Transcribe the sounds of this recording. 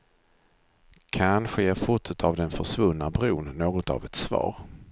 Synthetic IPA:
kʰanɧəjeːɾfʊʈʉt̪ʰavd̪ɛnfœʂvɵnːabɾuːnːoːɡɔt̪a̰vɛt̪svɑ̰ːɾ

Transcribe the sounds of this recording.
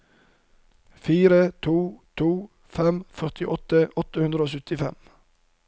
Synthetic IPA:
fiːɾət̪ʰuːt̪ʰuː | fɛmfœʁt̪ɪʔɔt̪əʔɔt̪əhʉnd̪ɾəoːsʉt̪ɪfɛ̰m

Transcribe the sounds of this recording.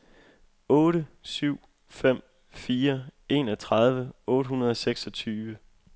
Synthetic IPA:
ɔ̽ːɾəsyʊ̰ | fem̰ | fiːɐe̝ːnɒ̽t͡sʰʁɑ̈ðˠʋəɔ̽ːɾəɦunɐð̞ˠɒ̽seɡ̥sɒ̽t͡sʰyːʋə

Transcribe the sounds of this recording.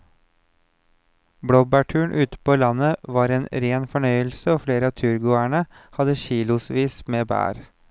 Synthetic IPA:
bɽoːbæʈʰʉːɳʔʉːt̪ə̥pʰoːlɑnəʋɑːɾeːnɾeːnfɔɳœʏəlsəoːfleːɾəɑːt̪ʰʉːɾɡʊæɳə | hɑd̪əʃiːlʊsʋiːsmeːbæ̰ːɾ

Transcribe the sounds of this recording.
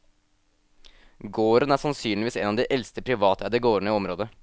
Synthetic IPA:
ɡoːɾənæɾsɑnsyːnlɪʋiːsɛnɑːʋd̪iʔɛlst̪əpʰɾɪʋɑːt̪əæɖ̪ɛɡoːɾəɳəɔmɾoːd̪ə

